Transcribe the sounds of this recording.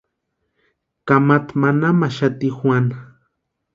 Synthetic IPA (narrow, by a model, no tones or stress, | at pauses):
kamat̪manamaʃat̪ixwʷana